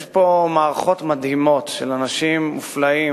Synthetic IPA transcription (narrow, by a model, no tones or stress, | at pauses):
ʃpomaːʁaχo̞t̪mad̪himo̞t̪ʃelanaʃimːuflai